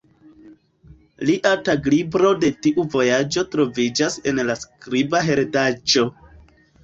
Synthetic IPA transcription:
liʔataɡlibɾo̞de̞tiʔuvo̞jad͡ʒo̞tɾo̞vid͡ʒase̞̰nlaskɾibaɦe̞ɾdad͡ʒo̞

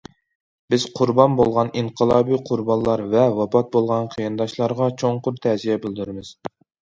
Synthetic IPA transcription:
bɪz̥qʰʊɾbɑnbolˠʁɑniɴqʰəlˠɑːbiqʰʊɾbɑnlˠɑɾvɛwɑpʰɑt̪̚bolˠʁɑnqʰijɑnd̪ɑʃlˠɑɾʁɑt͡ʃʰoŋqʊɾt̪ʰɛzijɛbɪld̪uɾɪmɪz̥

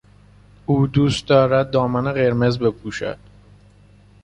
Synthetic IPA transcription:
uːd̪uːst̪̚d̪ɒːɾæd̪̚ːɒːmæneɢe̞ɾme̞zbe̞pʰuːʃæ̰d̪̥

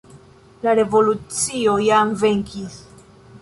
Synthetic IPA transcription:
laɾevo̞lut͡siojamveŋkis

